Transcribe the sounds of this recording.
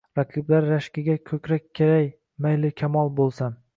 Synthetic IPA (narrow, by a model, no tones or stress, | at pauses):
ɾaqʰɨblaɾːaʃkʲɪɡʲakʲʰɵkʲɾakʲʰːeɾaj | majlɪkʲʰamɒlˠbolˠsam